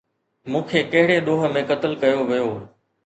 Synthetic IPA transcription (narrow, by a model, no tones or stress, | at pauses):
mũːkʰeːkɐɦɪɽeɗ̪oːɦə̆mẽkɐt̪əlkɐjoʋijoː